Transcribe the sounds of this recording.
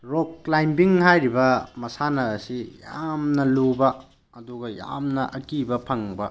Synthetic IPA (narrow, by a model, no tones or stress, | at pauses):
ɾoklajmbiŋhajɾibɐmɐsanɐːsijamnɐlubɐ | ɐduɡɐja̰mnɐʔɐkibɐpʰɐŋbɐ